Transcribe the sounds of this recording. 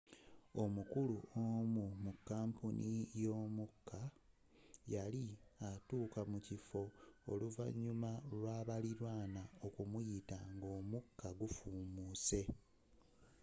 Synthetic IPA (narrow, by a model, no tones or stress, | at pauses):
o̞mukuluomumukːaːmpunʔijo̞ːmukːa | jaliatuːkamucifo̞̰ːluva̰ɲːumalwaːβaliɾwaːnaokumujitaŋɡo̞ːmukːaɡufuːmuːse̞